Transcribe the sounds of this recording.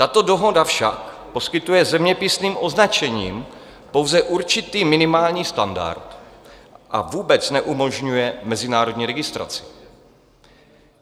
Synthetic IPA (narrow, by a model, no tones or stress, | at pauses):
t̪at̪o̞do̞ɦo̞dafʃak | po̞skɪt̪ujɛzɛmɲɛpɪsniːmʔo̞znat͡ʃɛɲiːm | powzɛʔuɾt͡ʃɪt̪iːmɪnɪmaːlɲiːst̪anda̰ɾt̪ | ʔa̰vuːbɛt͡snɛʔumo̞ʒɲujɛmɛzɪnaːɾo̞dɲiːɾɛɡɪst̪ɾa̰t͡sɪ̥